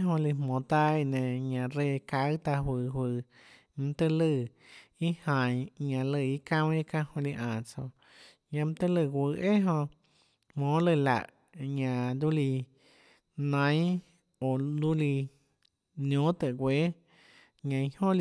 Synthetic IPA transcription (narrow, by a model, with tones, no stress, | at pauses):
ɦõ˧li˧mõ˨t̪a˧i˧nẽ˨ɲã˧˨ɾe˧˨ka˧˦ɨ˦t̪a˧ɦwɨ˧˨hwɨ˧ | m̃˧t̪ə˧lɨ˧˨i˦hã˨j̃ɲã˧lə˧˨i˧kã˦˧wĩ˦kã˧hõ˧li˧ʔã˨t͡so˧ | ɲã˧m̃˦t̪ə˦lə˧˨ɡʷə˧ʔe˦ɦõ˧ | hmõ˨˦lə˧˨la̰˨ʔ | ɲã˧˨d̪u˦li˧ | nã˧˦j̃ | o˨d̪u˦li˧ | njõ˨˦t̪ə˨ɡʷe˨˦ | ɲã˧hõ˦